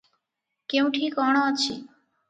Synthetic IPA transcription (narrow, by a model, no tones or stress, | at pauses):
kew̃ʈʰikɔɽ̃oat͡ɕʰi